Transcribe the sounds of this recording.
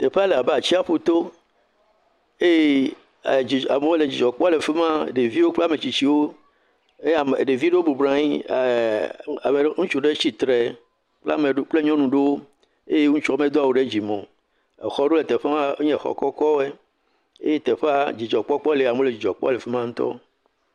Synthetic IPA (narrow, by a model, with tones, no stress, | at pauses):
t̪e˨ɸe˦a˦le˨a˨be˦a˨t͡ɕi˦a˦ɸo˦t̪o˦ | e˦je˦˨ | i˨a˨me˦le˨d͡ʑi˨d͡ʒɔ˨k͡pɔ˦le˨ɸe˦mã̰˦˨ɖe˨vi˦wo˦k͡ple˦a˦˨mẽ˨t͡ɕi˨t͡ɕi˦wo˦ | e˦a˨m˨ɖe˨vi˦ɖe˦wo˦bu˨bɾã˨˦ɲi˦˨ | a˨me˨ŋũ˦t͡ʃu˦ɖe˦t͡ɕi˨t̪ɾe˨ | k͡pla̰˦me˨˦k͡ple˦ɲɔ̃˦nũ˨ɖe˦wo˦ | e˦je˦ŋũ˦t͡ʃɔ˦˨mẽ˦d̪o˦a˨wo˨ɖe˦d͡ʑi˨mɔ̃˨ | e˨xɔ˦ɖo˦le˨t̪e˨ɸe˦mã˦ɲɛ̃˨xɔ̰˨kɔ˦kɔ˦o˦e˦ | ḛ˦je˦t̪e˨ɸe˦a˦d͡ʑi˨d͡ʒɔ˨k͡pɔ˦k͡pɔ˦le˨a˨mõ˦le˨d͡ʑi˨d͡ʒɔ˨k͡pɔ̰˦le˨fe˦mã˦ŋũ˦t̪ɔ̰˦